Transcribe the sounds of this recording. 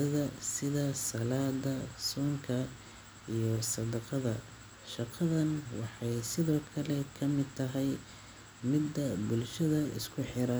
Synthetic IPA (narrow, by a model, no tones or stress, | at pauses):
ɐðɐsɪðɐsɐlaːd̪ɐsɔːŋkʰɐ | ijɔsɐd̪ɐqɑðɐ | ʃɑqɑðɐnwɑħɑjsɪðɔːkʰɐlɛkʰɐmɪd̪̚t̪ʰɐɦɛj | mɪd̪ːɐbʊlʃɐðɐɪ̰skʰʊħɪɾɐ